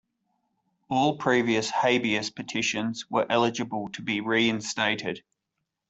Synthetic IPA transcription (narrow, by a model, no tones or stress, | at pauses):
ɔːlˠpʰɹ̥iːviəsheɪbiəspʰətʰɪʃə̃nzwəɹʔɛlɪd͡ʒəbəlˠtʰəbiɹiːɪ̃nsteɪtɪd̥